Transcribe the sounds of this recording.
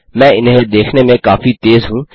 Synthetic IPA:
mɛ̃ːɪnɦed̪eːkʰnemẽkaːfit̪eːzɦũː

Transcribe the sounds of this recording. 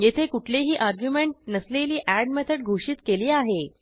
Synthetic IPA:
jet̪ʰekuʈʰleɦiːʔaɾɡjumeɳʈ̚nəsleliːʔæɖmet̪ʰəɽɡʱoʂiːt̪keliːaɦe

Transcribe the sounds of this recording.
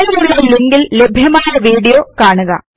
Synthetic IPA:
lijuʋileleŋɡille̞bʱjɐmaːjɐʋiːɽijo̞ːkaːɳuɣɐ̰

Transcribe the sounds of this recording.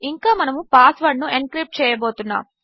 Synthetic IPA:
iŋkaːmɐnɐmupaːsʋɐɖnuʔenkɾip̚ʈ̚t͡ʃɛːjɐbo̞ːt̪unːa̰ːm

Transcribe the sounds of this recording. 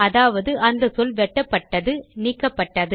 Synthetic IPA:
ɐðaːʋɐðɯʔɐnd̪ɐsɔlʋɛʈːɐpːɐʈːɐðɯniːkːɐpːɐʈːɐðɯ

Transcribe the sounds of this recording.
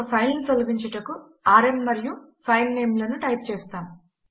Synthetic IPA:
ɐpʰɐjlnit̪olɐɡiɲt͡ʃɐʈɐku | aːɾemːɐɾiju | pʰɐjlːeːmlɐnuʈɐjp̚t͡ʃeːst̪aːmu

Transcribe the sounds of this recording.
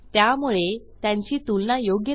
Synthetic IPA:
t̪jamuɭe | t̪jãɲt͡ɕiːt̪ulnajoɡjə

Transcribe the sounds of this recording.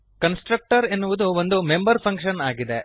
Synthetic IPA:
kɐnsʈɾɐk̚ʈɐɾenːuʋud̪uʋond̪umembɐɾpʰɐŋkʂɐnaːɡid̪e

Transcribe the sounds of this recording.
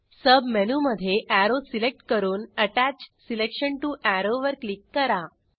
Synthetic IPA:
səbmɛnuːməd̪ʱːjeʔæɾosilek̚ʈkəɾuːnəʈæt͡ɕsilekɕəɳʈuʔæɾoʋəɾklikːəɾa

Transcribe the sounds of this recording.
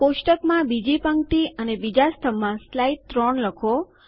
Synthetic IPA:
koʃʈəkmãbid͡ʒipəŋkʈ̪iʔənebid͡ʒast̪ʰəmãslait̪ːɾɔɳləkʰo

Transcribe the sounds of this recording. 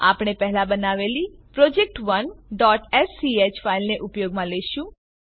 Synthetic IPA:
a̰pɳ̃epɛɦlãbənaʋelipɾɔd͡ʒek̚ʈʋənɖɔʈɛsːiet͡ʃfailneʔʊpjoɡmãleʃũ

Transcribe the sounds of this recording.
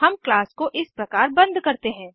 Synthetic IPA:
ɦɐmklaːskoʔɪspɾɐkaːɾbɐ̃nd̪kɐɾt̪eɦɛ̃ː

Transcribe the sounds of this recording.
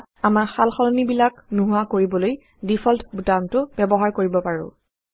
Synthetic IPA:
amaxalxɔlɔnibilaknuɦuakoɹibɔloj | difʰɔltʰbutamtʊbɛbɔɦaɹkoɹibɔpaɹʊ̰̃

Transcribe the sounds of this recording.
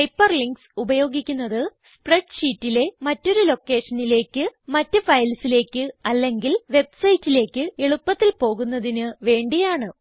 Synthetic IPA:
pɐjpːɐrliŋɡsubɐjo̞ːɡikʲːunːɐðɨ | spreɖʂiːtːile̞mɐtːo̞ɾulo̞kːe̞ːʂɐnile̞ːkːɨmɐtːɨfɐjlsile̞ːkʲːɨɐlːe̞ŋɡilʋe̞bsɐjtːile̞ːkʲːɨeɭupːɐt̪ːilpo̞ːɣunːɐðinɨʋe̞ːɳɖijaːɳɨ

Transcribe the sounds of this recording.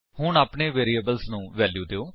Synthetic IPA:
hʊɳaːpɳeːʋeːɾiːəbəlsnũːʋɛːljuːd̪eːoː

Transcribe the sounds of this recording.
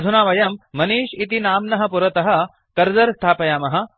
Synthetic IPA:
d̪ʱunaːʋɐjɐmːɐniːʃit̪inaːmnɐɦɐ̆puɾɐt̪ɐɦɐ̆ | kɐɾd͡zɐɾst̪ʰaːpɐjaːmɐɦɐ̆

